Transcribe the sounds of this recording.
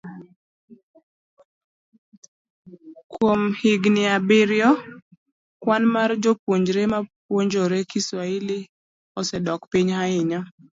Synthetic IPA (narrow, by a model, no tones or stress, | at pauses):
kwomhiɡniabɪɾjɔ | kwanmaɾd͡ʒopwoɲd͡ʒɾemapwoɲd͡ʒoɾekiswaili | ɔsɛdɔkpiɲhaɪɲɔ